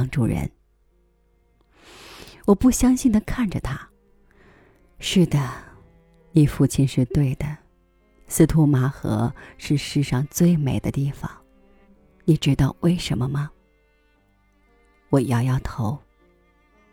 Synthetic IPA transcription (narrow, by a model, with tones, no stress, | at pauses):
ŋʈ͡ʂu˥˩ɻə̰˧˥n | wɔ˨˩pu˥˩ɕjɑ˥ŋɕi˥˩nd̪ə˩kʰa˥˩nʈ͡ʂə˨˩t̪ʰa˥ | ʂɻ̩˥˩d̪ə˩ | ni˨˩fu˥˩t͡ɕʰi˧˥nʂɻ̩˥˧t̪we˥˩ɪd̪ə˩ | sɹ̩˥t̪ʰu˥ma˧˥xɤ̰˧˥ʂɻ̩˥˧ʂɻ̩˥˧ʂɑ˥˧ŋt͡swe˥˩ɪme˨˩ɪd̪ə˦t̪i˥˩fɑ̰˨˩ŋ | ni˨˩ʈ͡ʂɻ̩˧˥t̪ɑ˥˧ʊwʔe˥˩ɪʂə˧˥nmə˧mɐ˨ | wɔ˨˩˨jɑ˥˧ʊjɑ˥˩ʊt̪ʰo˧˥ʊ